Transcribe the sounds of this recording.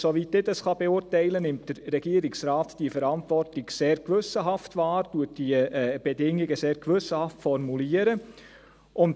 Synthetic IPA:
soʋitdɪdɑsχɑb̥eʊrtɛɪlənɪmtd̥əɾːɛɡ̥iəɾɪksɾaːtd̥iəfəɾɑntʋɔrtlɪɡseːɾkʋɵsːəɦɑftʋɑːɾtuət̚d̥iəɛb̥ɛdɪŋiɡəseːɾkʋɵsəhɑftfɔrmuliəɾə | ʊnt

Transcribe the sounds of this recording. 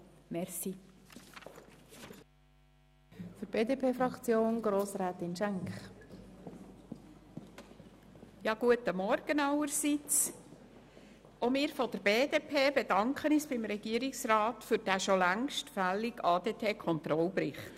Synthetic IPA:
mɛɾsi | fyɾb̥eːdeːpʰeːfɾɑkt͡sjoːnɡɾoːsɾɛːt̪ɪnʃæŋkχ | jɑːɡ̥uətəmɔɾɡ̥ənɑwəɾsit͡s | omɪːɾfɔd̥̪əɾb̥eːdeːpʰeːb̥ed̥ɑŋkχənisb̥ɪmɾɛɡ̥iəɾɪksɾɑːtfʏɾd̥æʃɔlæŋʃtfæliɡɑːd̪eːpʰeːkʰɔnt̪ɾɔlbɾɪχt

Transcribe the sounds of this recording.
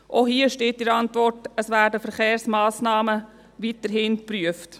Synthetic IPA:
ʔohiːəʃteːt̚ɪɾɑntʋɔɾtəsʋæːɾdəfəɾχeːɾsmɑːsnɑːmə | ʋitəɾɦɪnpɾyəft

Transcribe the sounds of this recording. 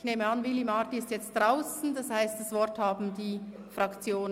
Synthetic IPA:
çneːməɑnvɪlimaːtiɪstjɛt͡st̚d̥ʁaʊsn̩dɑshaɪstd̥asvɔɾthaːbm̩diː | fʁɑkt͡sjoːn

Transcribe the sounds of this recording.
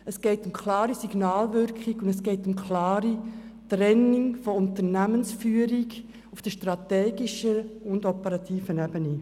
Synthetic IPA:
əsɡ̥ɛɪtʊmkʰlɑːɾisiɡnɑːlʋʏɾkχiɡʊndəsɡ̥ɛɪtʊmkʰlɑːɾitɾɛnɪŋfɔʊntənæmənsfyːəɾiɡ | ufd̥əʃtɾɑtɛːɡ̥iʃəʊndɔpəɾɑt̪ʰiːfənɛbəni

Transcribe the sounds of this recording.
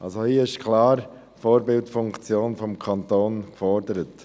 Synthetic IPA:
ʔɑ̰lsohiːəɪʃkʰlɑːɾ | fɔːɾbɪltfʊŋkt͡sjoːnfɔmkʰɑntoːnkfɔɾdəɾət

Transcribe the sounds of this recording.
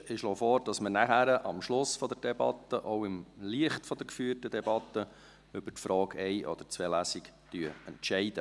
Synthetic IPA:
ɪʃloːfɔɾd̥ɑsmənæχæɾəʔɑmʃlʊsfɔd̪ɛɾd̥ɛbɑ̰t̪ːəʔɔwɪmliəχtfɔd̪ɛɾkfyːəɾtəd̪ɛbɑt̪ːə | ʏb̥əɾtfɾɑːɡɛɪʔɔ̰d̥̪əɾt͡sʋeːlæsɪktyəəntʃɛɪd̪ə

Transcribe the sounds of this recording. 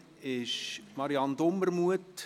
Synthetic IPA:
ɪʃmɑɾiɑnd̪omːəɾmuət

